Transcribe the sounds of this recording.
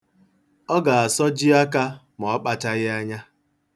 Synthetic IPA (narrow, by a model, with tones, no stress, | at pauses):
ɔ˦ɡa˨a˨sɔ˦d͡ʒi˦a˦ka˦ | m˨ɔ˨˦k͡pa˨ta˦ɣɪ˦a˦ɲa˦